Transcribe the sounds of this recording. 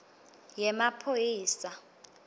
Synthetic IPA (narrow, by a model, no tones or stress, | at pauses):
jɛmapʰojiːsa